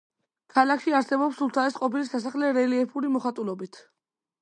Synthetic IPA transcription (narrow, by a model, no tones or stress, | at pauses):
kʰalakʰʃiaɾsɛbɔpsulˠt̪ʰaɛsqʼɔpilisasaχlɛɾɛliɛpʰuɾimɔχat̪ʼulɔbit̪ʰ